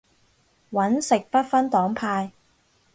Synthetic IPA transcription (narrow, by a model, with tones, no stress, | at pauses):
wɐ˨˥nsɪ˨k̚pɐ˥t̚fɐ˥nt̪ɔː˨˥ŋpʰaː˧j